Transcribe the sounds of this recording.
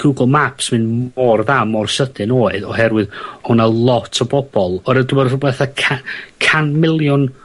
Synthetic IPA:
ɡ̥uɡlˠmapsmɨnmmɔrðaːmɔrʃədɨnoːɨðɔɦɛrwɨðhʊnalˠɔtʰɔbɔb̥ɔlˠɔɾədumɛrʊbɛθakʰakʰanmɪlˠjʊn

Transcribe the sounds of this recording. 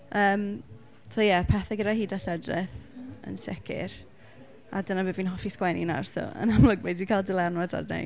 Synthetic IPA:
əːm | tʰojɛpʰɛθɛɡədaɦiːdaɬədrɪ̰θə̰nsɛ̰kʰɪ̰r | adənabəvinɦɔfiskwɛnḭna̰rso̰ə̰namləɡ̚bejdikʰalˠdəlˠɛnwada̰dna̰

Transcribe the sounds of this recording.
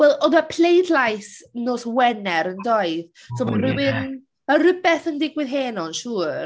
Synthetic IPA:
wɛlˠɔðapʰlejdlajθnoːswɛnɛɾəndɔɨð | sʰomanrɪwɪn | marəbɛθəndɪɡwɪðɦeːnɔnʃuːr

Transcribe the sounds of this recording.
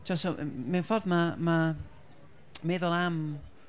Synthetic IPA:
t͡ʃʰasɔ̰menfɔrðmama | meðʊlˠam

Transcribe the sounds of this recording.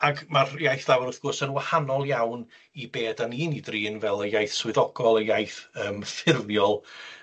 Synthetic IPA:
aɡmarjajθlˠawaɾʊθɡ̥ʊrsənwahanɔlˠjawn | ibeːdaniːnidriːnvɛlˠəjajθswʊðɔɡ̥ɔlˠəjajθəːmfɪrðjɔlˠ

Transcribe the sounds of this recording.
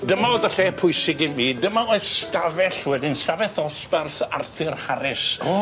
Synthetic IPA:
dəmaoðaɬɛpʰʊjsɪɡɪmiːdəmaojðstavɛɬwɛdɪnsavɛθɔsparsa̰rθɪrhaɾɪs

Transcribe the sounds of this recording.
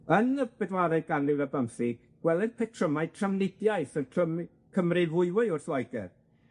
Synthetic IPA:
ənəbɛdwaɾɨɡanlɪwðəbəmθiɡɡ̥wɛlˠɨnpʰɛtʰrəmaɨtʰrəmnɪdjaɨθəntʰrəm | kʰəmrɨvʊɨwɨʊrθlɔjɡɛ̰r

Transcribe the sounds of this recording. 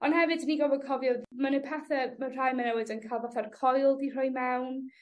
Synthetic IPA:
ɔnhɛvɨdniɡɔbɔkʰɔvjɔmanɨpʰaθɛmər̥ajmanɛwɪdənkʰalˠvɔθarkʰɔjlˠdir̥ɔjmawn

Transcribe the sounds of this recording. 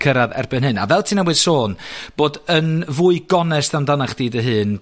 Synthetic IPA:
kʰəɾaðɛ̰rbɨnɦɨna̰vɛlˠtʰiːnawɨð̥soːnb̥oːdənvuɨɡɔnɛstamdanaχd̥iːdəɦɨːn

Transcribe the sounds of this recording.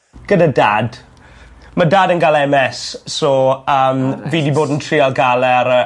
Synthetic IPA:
ɡ̥ədadaːd | madaːdənɡalɛmɛssɔəːmviːdiboːdn̩tʰriɔlˠɡalˠɛɾə

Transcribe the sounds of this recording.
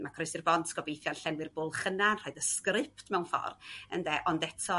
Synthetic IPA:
makʰrɔjsirbɔntʰɡ̥ɔbejθjɔnɬɛnwɨrbʊlˠχənanrɔːɨdəskrɪpʰtʰmɛwnfɔ̰rə̰ndɛʔɔndɛtʰɔ

